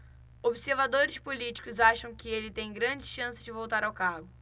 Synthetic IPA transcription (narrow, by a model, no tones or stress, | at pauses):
obɪseɾvad̪oɾɪspulit͡ʃi̥kʊzaʃɐ̃w̃kɪelɪt̪ẽj̃ɡɾɐ̃d͡ʒɪʃɐ̃sɪd͡ʒɪvowt̪aɾawkaɡʊ